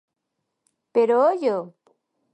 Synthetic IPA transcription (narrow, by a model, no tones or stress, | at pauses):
peɾoojo